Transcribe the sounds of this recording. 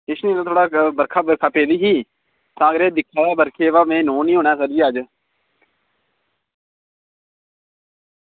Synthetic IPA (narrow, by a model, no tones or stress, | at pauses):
ɪʃnĩːt̪aːt̪ʰoːɽaːbəɾkʰaːbəɾkʰaːpeːd̪iːɦiː | t̪ãːəɡəɾeːd̪ɪkʰːaːaːbəɾkʰeːʋaːmẽːnoːnĩːɦoːɳɛːsəɾd͡ʒiːəd͡ʒ